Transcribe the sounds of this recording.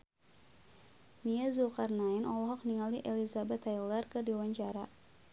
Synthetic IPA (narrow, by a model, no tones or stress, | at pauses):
miazukarnainɔlɔɦɔk̚niŋaliʔelizabɛt̪ʰːajlərkɨrdiwaɲt͡ʃaɾa